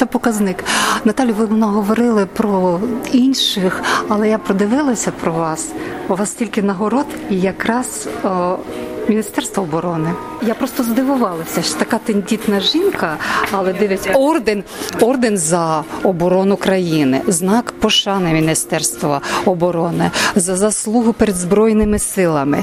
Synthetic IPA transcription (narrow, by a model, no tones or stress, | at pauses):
t̪ɛpɔkɐznɪknɐt̪ɑlʲjʊʋɪɔnɐɦɔʋɔɾɪlˠɪpɾɔinʲʃɪxɐlˠɛjapɾɔd̪ɪʋɪlˠɐsʲɐpɾɔʋɑsʋɑstʲilʲkɪnɐɦɔɾɔt̪ijɐkɾɑz | mʲinʲist̪ɛrst̪ʋɔɔbɔɾɔnɪ | japɾɔst̪ɔzd̪ɪʋʊʋɑlˠɐsʲɐʃt̪ɐkɑt̪enʲdʲit̪nɐʒinkɐɐlˠɛd̪ɪʋʲɪtʲɔrd̪enɔrd̪enzɐɔbɔɾɔnʊkɾɐjinɪ̰znɑkpɔʃɑnɪmʲinʲist̪ɛrst̪ʋɐɔbɔɾɔnɪzɐzɐslˠuɦʊpeɾed̪zbɾɔjnɪmɪsɪlˠɐmɪ